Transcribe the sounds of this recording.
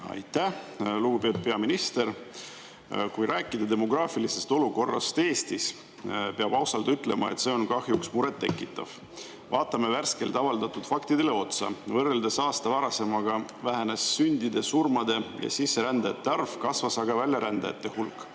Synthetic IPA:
ɑ̰jt̪ˑːæhluɡ̥upet̪̚pe̞ɑminist̪e̞ɾ | kujɾæːkːˑid̪ɑd̪e̞mo̞ɡ̥rɑːfilise̞st̪o̞luko̞rːɑ̰st̪e̞ːst̪is | peɑb̥ɑwsɑlt̪yt̪ˑle̞mɑ̰ḛt̪se̞o̞nkɑhjuksmuɾe̞t̪ːe̞kːˑit̪ːˑɑ̰v̥ | vɑːt̪ːˑɑme̞værske̞lt̪ɑvɑld̪ɑt̪ːˑud̪̥fɑkt̪id̪̥e̞le̞o̞t̪sɑ̰vɤrːeld̪e̞sɑːst̪ɑvæɾɑse̞mɑɡ̥ɑ | væɦænesːynʲd̪id̪e̞surmɑd̪e̞jɑ̰sisːe̞ɾænd̪̥ɑjɑt̪ːeɑrfkɑsvɑsɑɡ̥ɑvælʲjɑɾænd̪̥ɑ̰jɑ̰t̪ːe̞hulkːˑ

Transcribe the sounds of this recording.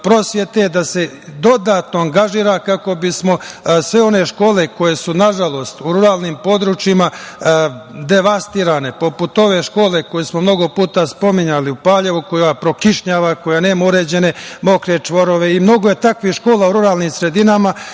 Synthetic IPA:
pɾo̞sʋje̞t̪e̞d̪ase̞ | d̪o̞d̪at̪no̞aŋɡaʒiːɾakako̞bismo̞sʋe̞o̞ne̞ʃko̞ːle̞ko̞je̞sunaʒalˠo̞ːst̪uɾuɾaːlˠnimpo̞ːd̪ɾut͡ʃjima | d̪e̞ʋast̪iɾane̞po̞put̪o̞ʋe̞ʃko̞ːle̞ko̞jesmo̞mno̞ɡo̞puːt̪aspo̞miɲaliupaːʎe̞ʋukojapɾo̞kiʃɲaːʋako̞janeːmauɾe̞ːd͡ʑe̞ne̞mo̞kɾet͡ʃʋo̞ɾo̞ʋe̞imno̞ɡoje̞t̪akʋihʃko̞ːlauɾuɾaːlˠniːmsɾe̞d̪inama

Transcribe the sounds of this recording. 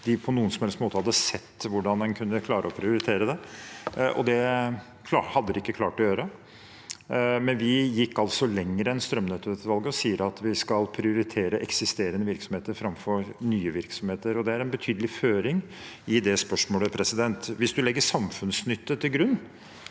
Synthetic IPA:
d̪̥ɪpʰɔnuːənsɔmhɛlsmoːt̪əhɑd̪ːəsɛt̪ːʋʊɖɑnɑnkʰʉnːəkʰlɑːɾʔəɔpʰɾɪʊɾɪt̪ʰeːɾəd̪ɛ | ʔɔ̰d̪ɛ | kʰlɑhɑd̪ːəd̪ɪkːəkʰlɑːʈɔjøːɾə | mɛnʋɪjɪkːɑlsɔlɛŋːɾəɛnst̪ɾœmnɛt̪ət̪ʋɑlɡəɔsiːəɾɑt̪ʰʋɪskɑlpʰɾɪʊɾɪt̪ʰeːɾəʔɛksɪst̪eːɾənəʋɪɾksɔmheːt̪əɾfɾɑmfɔɾnyːəʋɪɾksɔmheːt̪əɾɔd̪ɛæɾɛnbət̪ʰyːd̪əlɪføːɾɪŋ | ɪd̪ɛspœʂmoːləpʰɾɛsɪd̪ɛnt̪ʋɪsd̪ʉlɛɡːəʂɑmfʉnsnʏt̪ːət̪ʰɪlɡɾʉnː

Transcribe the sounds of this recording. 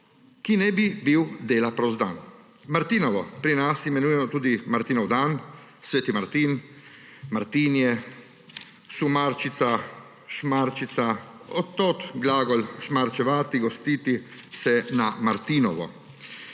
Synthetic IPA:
kinɛbibiwd̪eːlapɾɔzd̪a̰ːn | maɾt̪iːnɔʋɔpɾinasimɛnujɛmɔt̪uːd̪imaɾt̪iːnɔwd̪an | sʋeːt̪imaɾt̪iːn | maɾt̪iːnjɛ | sumaɾt͡ʃit̪sa | ʃmaɾt͡ʃit̪saɔt̪ːot̪ɡlaːɡɔlʃmaɾt͡ʃɛʋaːt̪iɡɔst̪iːt̪isɛnamaɾt̪iːnɔʋɔ̰

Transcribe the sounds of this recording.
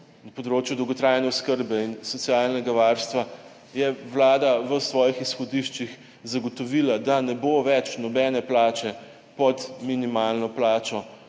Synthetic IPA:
napɔd̪ɾoːt͡ʃjud̪ɔwɡɔt̪ɾaːjnɛʊskəɾbɛinsɔt̪sijaːlnɛɡaʋaːɾst̪ʋa | jɛʋlaːd̪aʋəsʋɔːjixisxɔd̪iʃt͡ʃix | zaɡɔt̪ɔʋiːlad̪anɛboʋɛt͡ʃnɔbɛːnɛplaːt͡ʃɛ | pɔt̪minimaːlnɔplaːt͡ʃɔ

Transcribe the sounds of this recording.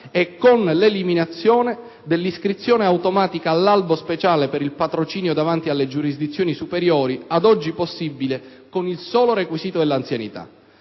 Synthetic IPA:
ɛkːonleliminat̪sːjɔːne | d̪elːiskɾit̪sːjoːneawt̪omaːt̪ikaːlːalbospet͡ʃaːlepeɾilpat̪ɾot͡ʃiːnjod̪avant̪ialːed͡ʒuɾizd̪it̪sːjoːnisupeɾjɔːɾiad̪ɔd͡ʒːiposːibːile | konilsɔːloɾekwisiːt̪od̪elːant̪sjanḭt̪a̰

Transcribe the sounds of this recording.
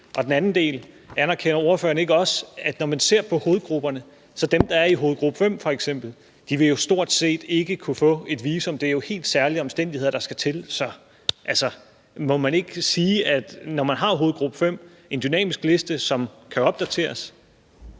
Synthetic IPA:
ʔɒ̽d̥enænn̩d̥e̝̰ːl | ænɐkʰenɐo̝ːɐfø̰ːɐnəe̝ɡ̥əɒ̽sæd̥nɒmænse̝ɐ̰pʰɒ̽ho̝ːð̞̩ˠɡ̥ʁub̥ɐnə | sɒ̽d̥emd̥ɑ̈æɐiɦo̝ːð̩ˠɡ̥ʁub̥əfem̰fɒ̽eɡ̥sem̰b̥l̩ | d̥iʋe̝jo̝sd̥o̝ɐ̰d̥se̝̰ːd̥e̝ɡ̥əkʰufɔ̰̽ːe̝d̥ʋiːsɒ̽md̥e̝æɐjo̝he̝̰ːld̥sæɐliɒ̽msd̥en̰dihe̝̰ɐd̥ɑ̈sɡ̥æt͡sʰe̝lsɒ̽ | ʔælsɒ | mɒ̽mæne̝ɡ̥əsiːæd̥nɒmænɦɑ̈o̝ːð̩ˠɡ̥ʁub̥əfem̰ | e̝nd̥ynɛ̰ːmisɡ̥le̝sd̥əsɒ̽mkʰæɒ̽b̥̚d̥æt͡sʰe̝̰ːɐs

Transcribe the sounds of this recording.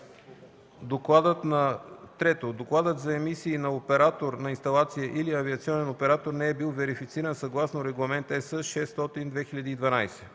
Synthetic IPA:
d̪oklˠad̪ət̪nɐt̪ɾɛt̪od̪oklˠad̪ət̪zɐɛmisiːnɐopɛɾat̪oɾnɐinst̪ɐlˠat̪sijəʔiliɐviɐt̪siɔnɛnopɛɾat̪oɾnɛɛbilˠvɛɾifit̪siɾənsɐɡlˠasnoɾɛɡlˠɐmɛnt̪ɛsəʃɛst̪ɔt̪ind̪vɛxiʎʲɐd̪iːd̪vɐnajsɛ̥

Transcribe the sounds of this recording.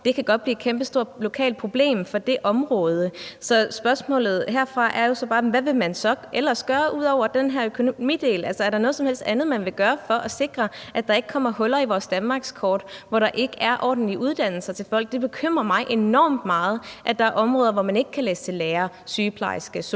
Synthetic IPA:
d̥e̝kʰæɡ̥ɒ̽d̥̚b̥liːe̥kʰemb̥əsd̥o̝ɐ̰lo̝kʰɛ̰ːld̥̚pʰʁo̝b̥le̝̰ːmfɒ̽d̥e̝ʔɒ̽mʁɔːð̞ˠəsɒ̽sb̥ɶɐsmɔ̰̽ːlð̞̩ˠhe̝ɐ̰fʁɑ̈ʔæɐjo̝sɒ̽b̥ɑ̈ːʋæʋe̝mænsɒ̽ʔelɐsɡ̥ɶːɐʔuð̞̰ˠɒʊ̰ɐd̥enɦæɐ̰økʰo̝nomḭːd̥e̝̰ːlælsɐæɐɾɑ̈nɔ̽ð̩ˠsɒ̽mhel̰sd̥ænð̞̩ˠmænʋe̝ɡ̥ɶːɐfɒ̽ʔæse̝ɡ̥ʁɐʔæd̥ɑ̈e̝ɡ̥ə̥kʰɒ̽m̰ɐhɔ̽lɐiʋɒːsd̥ænmɑ̈ːɡ̥skʰɒːd̥ʋɒɾ̥ɑ̈ʔe̝ɡ̥əʔæɐʔɒ̰ːd̥n̩liʔuð̞ˠd̥æn̰l̩sɐt͡sʰe̝lfɒ̽l̰ɡ̥̚d̥e̝b̥e̝kʰøm̰ʁɐmɑ̈ɪʔe̝nɒ̰ːmd̥mɑ̈ːð̞̩ˠʔæd̥ɑ̈æɐʔɒ̽mʁɔ̽ːð̞ˠɐʋɒmæne̝ɡ̥əkʰæleːsə̥t͡sʰe̝leːɐ | syːpʰlɑ̰̈ɪsɡ̥əs

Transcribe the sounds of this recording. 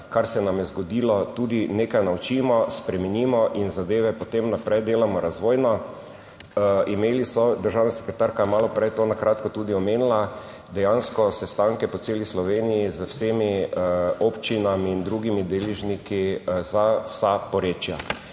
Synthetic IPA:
kaɾsɛnamjɛzɡɔd̪iːlɔt̪uːd̪ineːkajnaut͡ʃimɔspɾɛmɛnimɔʔinzad̪eːʋɛpɔt̪emnapɾɛjd̪eːlamɔɾazʋoːjnɔ | imeːlisɔd̪əɾʒaːwnasɛ̥kɾɛt̪aɾkajmaːlɔpɾɛjt̪oːnakɾʔat̪kɔt̪ud̪iɔmeːnila | d̪ɛjanskɔsɛst̪ãŋkɛpɔt̪seːlislɔʋeːnijizəwsemi | opt͡ʃinamiːnd̪ɾuɡimid̪eliʒnikizawsapɔɾet͡ʃja

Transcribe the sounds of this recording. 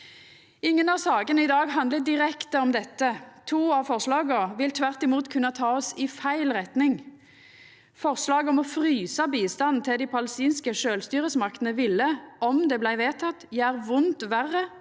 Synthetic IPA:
ɪŋːənɑʋsɑːɡənəɪd̪ɑːɡɦɑnd̪ləd̪ɪʁɛkt̪əɔmd̪ɛt̪ːət̪ʰuːɑʋfɔʁslɑːɡəʋɪlt̪ʰʋæʁt̪ɪmuːt̪kʰʉnːɑt̪ʰɑːɔsɪfæɪlʁɛt̪nɪŋ | fɔʁslɑːɡɔmɔfʁyːsɑbiːst̪ɑnn̩t̪ʰɪld̪ɪpʰɑləst̪iːnskəʃøːlst̪yːʁəsmɑkt̪ənəʋɪlːəɔmd̪ɛblæɪʋeːt̪ʰɑt̪ːjææːʁʋʊnt̪ʋæʁːə

